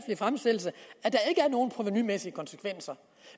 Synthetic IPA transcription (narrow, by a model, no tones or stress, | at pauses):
flifʁamsd̥el̰̩səæd̥ɑ̈e̝ɡ̥əæɐno̝ːn̩pʰʁoʋinymesiəkʰɒ̽nsə̥kʰʋen̰sɐ